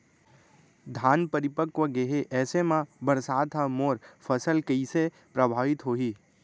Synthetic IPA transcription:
d̪ʱaːnpəɾɪpəkʋəɡeɦeʔɛːsemãbəɾsaːt̪ɦamoːɾfʰəsəlkəise | pɾəbʱaːʋɪt̪ɦoːɦiː

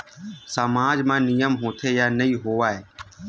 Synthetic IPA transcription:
səmaːd͡ʒmãːnijəmɦõːt̪ʰeːjaːnəiːɦoːaːɦeː

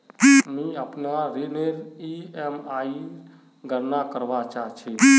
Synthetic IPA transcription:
imĩəpnaɾeneɾiemai | ɡəɾnakəɾʋat͡ʃaːɦt͡ʃʰi

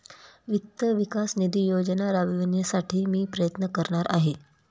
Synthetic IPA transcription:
ʋit̪ːəʋikasnid̪ijod͡ʑənaɾaʋiʋənjasaʈʰiːmiːpɾəjət̪nəkəɾɳaɾa̰ɦe

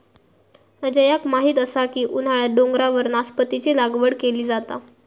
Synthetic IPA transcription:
əd͡ʑəjakmaɦiːt̪əsakiːʔun̤aɭaɖoŋɡɾaʋəɾnaspət̪it͡selaɡʋəɽkeliːd͡zat̪a̰

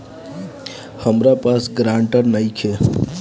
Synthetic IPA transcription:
həmɾapasɡɾãːɳʈəɾnaikʰe

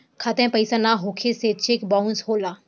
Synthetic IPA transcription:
kʰat̪ɛ̃pəjsanaɦokʰeset͡ʃekbãnshola

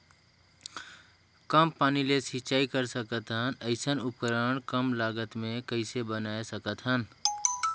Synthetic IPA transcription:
kəmpaːnilesit͡ʃaːikəɾsəkət̪ɦənəɪsənʊp̚kɾəɳkəmlaːɡət̪mẽkəɪsebənaːesəkət̪ɦən

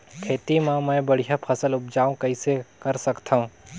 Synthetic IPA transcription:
kʰeːt̪imãmə̃ːbəɽ̤ijapʰɐsəlʊp̚d͡ʒaːũkɐisekəɾsɐkt̪ʰaũ

